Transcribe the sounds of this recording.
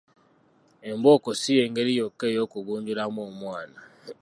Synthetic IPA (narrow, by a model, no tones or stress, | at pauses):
embokosijeːŋɡeɾijokːeːjoːkuɡuːɲɟulamoːmwaːna